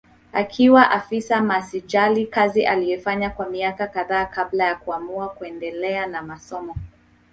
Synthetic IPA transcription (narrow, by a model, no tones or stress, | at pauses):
akʰiwaʔafisamasid͡ʒalikaziʔalijɛfaɲakwamiakakaðaːkablajakuamuakuɛndɛlɛanamasɔmɔ